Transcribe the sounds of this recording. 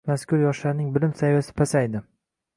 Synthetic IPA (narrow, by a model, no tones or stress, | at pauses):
maskʰʊɾjɒʃlaɾnɪŋbɪlɪmsajvasɪ̥pʰasajd̪ɪ